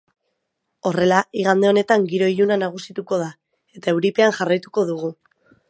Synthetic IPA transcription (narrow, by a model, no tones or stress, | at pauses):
o̞re̞laiɣ̞and̪e̞o̞ne̞t̪aŋɡiɾo̞iʎunanaɣ̞usit̪uko̞ð̞a | e̞t̪ae̞wɾipe̞aŋʝarajt̪uko̞ðuɣ̞u